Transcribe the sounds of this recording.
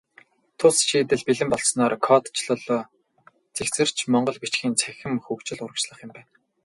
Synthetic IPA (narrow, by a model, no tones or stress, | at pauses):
t̪ʰʊsʃiːt̪ɘ̆ɮpiɮɘ̆mpɔɮsnɔːɾkʰɔt̪t͡ɕʰɮɔɮɔː | t͡sekt͡sɘ̆r̥t͡ɕʰmɔɴɢɞ̆ɮɡut͡ɕxʲiːnt͡sʰæxʲɪ̆mxɵkt͡ɕɪ̆ɮʊɾə̆kt͡ɕɮə̆χjʊ̆mpæːn